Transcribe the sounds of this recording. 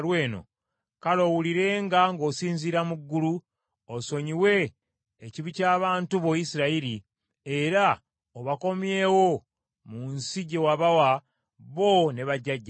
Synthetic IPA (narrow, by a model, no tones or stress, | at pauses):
ɾwe̞ːno̞̰ | kalo̞wuliɾe̞ŋɡaŋɡo̞ːsiːnziɾamuɡːulu | oso̞ɲiwe̞ː | ciβicaːβaːntuβo̞jisiɾaiɾi | eɾa | oβako̞mje̞ːwo | munsiɟewaβawa | βo̞ne̞βaɟːaɟːa